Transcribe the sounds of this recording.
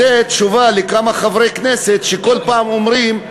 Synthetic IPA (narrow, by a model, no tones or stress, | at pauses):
et̪ʃuvalekamaχavʁekneset̪ʃekolpaːmomɾim